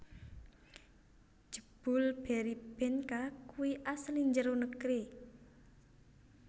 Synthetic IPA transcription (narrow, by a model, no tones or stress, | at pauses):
d͡ʒ̥əb̥ʊ̤lb̥ɛɾib̥ɛnkakuwiʔasliɲd͡ʒəɾonəkɾi